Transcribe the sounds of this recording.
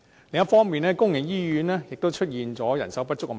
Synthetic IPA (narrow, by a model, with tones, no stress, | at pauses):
lɪ˨˧ŋjɐ˥tfɔː˥ŋmiː˨˧nɛː˦˥kʊ˥ŋjɪ˨˩ŋjiː˥jyː˨˥nɛː˥jɪ˨k̚t̪o˥wt͡ʃʰɵ˥t̚jiː˨nt͡sɔː˨˥jɐ̰˨˩nsɐ˨˥wpɐ˥t̚t͡sːʊ˥k̚m˨